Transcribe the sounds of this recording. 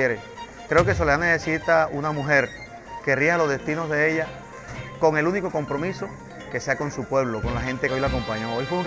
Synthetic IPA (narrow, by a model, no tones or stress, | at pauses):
eɾe | kɾe̞okes̬o̞leanese̞sit̪aunamũɦe̞ɾ | ke̞riaalozðe̞st̪ino̞zðe̞eʎa | ko̞ŋe̞luniko̞kompɾo̞mĩso̞ | ke̞se̞ako̞nsupwe̞β̞lo̞ko̞nlaɦe̞nt̪ekeo̞jlako̞mpaɲo̞ojfweu